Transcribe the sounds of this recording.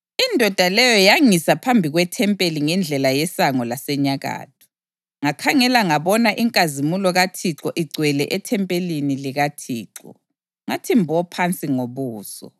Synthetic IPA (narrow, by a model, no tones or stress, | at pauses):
indʱɔd̥ʱalɛjɔjaŋisapʰambʱiɣwɛtʰɛmpʼeliŋɛnd͡ɮʱɛlajɛsaŋɔlasɛɲaɣa̰ːt̚ʰu̥ | ŋakʰaŋɛlaŋaβɔnaʔiŋkʼazimulɔɣatʰiǁɔʔiɡ͡ǀʱwɛlɛ̰ʔɛtʰɛmpʼeliniliɣatʰiːǁɔ̰ | ŋatʰimbʱɔpʰant͡sʼiŋoβuːsɔ̰